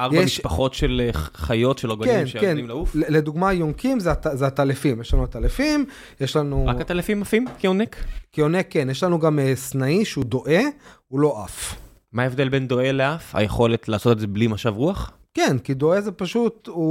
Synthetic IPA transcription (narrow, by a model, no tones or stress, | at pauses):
ʔaʁbjebamiʃʃpaχo̞tʃelχajo̞tʃeloɡokeneenimlaufeleduɡmajoŋkimzeatazeat̪alefimjeʃlanuat̪alefim | jeʃlanuʁakat̪alafimafimkionekkionekːe̞njeʃlanuɡamesnaiʃeudo̞ʔe̞ulo̞ʔaf | maevd̪elbend̪o̞eleafa̰jeχo̞let̪laːso̞t̪etzeblimaʃavʁuaχ | kenkido̞ezepaʃut̪u